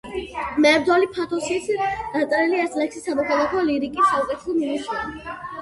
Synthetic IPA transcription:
mɛːɾd̪alipʰat̪ʰɔsit̪ʰd̪̥at̪sʼɾiliɛsʰʼlɛkʃisamɔkʰalˠakʰɔliɾikʼisːaukʼɛt̪ʰɛ̥sɔminisuɾi

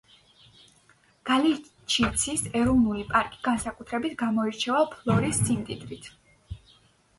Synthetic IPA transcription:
ɡ̥ali | t͡ʃʰit̪sʰisɛɾɔvnulipʼaɾkʼi̥ɡ̥ansakʼut̪ʰɾɛbit̪ʰɡamɔiɾt͡ʃʰɛvapʰlˠɔɾisːimt̪ʼid̪ɾit̪ʰ

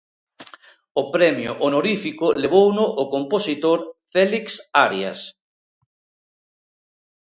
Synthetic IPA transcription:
ʊpɾɛmjʊ̰ʔonoɾifikʊleβownʊʔokomposit̪oɾfɛliksaɾja̰s

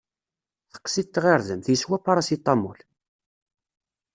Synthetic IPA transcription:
θə̥qːsit̪ːʁeɾðəmθjəswæpːɑɾˤɑsit̪ˤːɑmːṵl

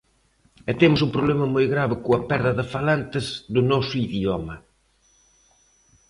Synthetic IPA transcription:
ɛt̪emʊsũmpɾoβlɛmɐmojɣɾaβɪkʊɐpɛɾðɐðɪfalant̪ɪzðʊnɔsʊiðiɔmɐ

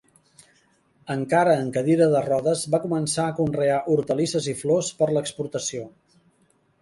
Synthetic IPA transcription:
əŋkaɾəːŋkəðiɾəðərɔðəzβakumənsaəkunreaʔuɾt̪əlisəziflospəɾləkspuɾt̪əsio

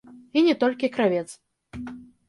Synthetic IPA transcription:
inʲɛt̪ɔlʲkʲikɾavʲɛt̪s

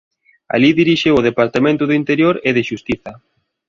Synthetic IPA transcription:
a̰liðiɾiʃewʊð̞epaɾt̪amẽnt̪ʊðʊint̪eɾjoɾeðɪʃust̪iθɐ

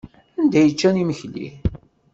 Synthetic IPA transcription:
ænd̪æjət͡ʃːæniməçlḭ

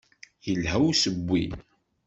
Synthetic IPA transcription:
jəlhæwsəbʷːḭ

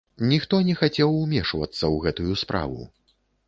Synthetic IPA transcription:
nʲixt̪ɔnʲɛxat͡sʲɛwumʲɛʂvɐ̰t̪sːɐwɣɛt̪ujuspɾʔa̰vṵ

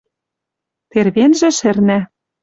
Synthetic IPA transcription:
t̪erβenʒĕʃɘ̆rnæ

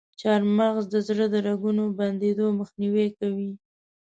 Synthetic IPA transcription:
t͡ʃɑɾmaɣzd̪əzɽəd̪əɾaɡunoband̪ed̪oməxniwekawi

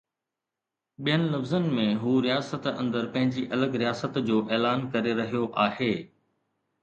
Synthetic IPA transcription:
ɓijənɪ̆lɐfzənɪ̆mẽɦuːɾijaːsət̪ɐ̰̃nd̪əɾpɐ̃ɦɪ̃ɲd͡ʑiʔɐləɡɾijaːsət̪d͡ʑoːʔeːlaːnkɐɾeɾɐɦijoʔaːɦeː

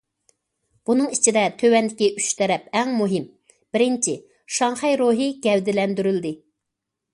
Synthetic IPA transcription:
b̥unɨŋit͡ʃʰid̪ɛt̪ʰøwɛnd̪ɪkʲiʔy̥ʃt̪ʰɛɾɛpɛŋmuɦɪm | b̥ɪɾɪnt͡ʃʰi | ʃɑŋχɛjɾoɦɨɡʲɛwd̪ɪlɛnd̪yɾyld̪ɪ

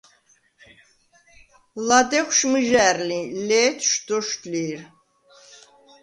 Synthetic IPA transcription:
lad̪ɛχʷʃmɨʒæɾlilɛt̪ʰʃd̪̥ɔʃt̪liɾ

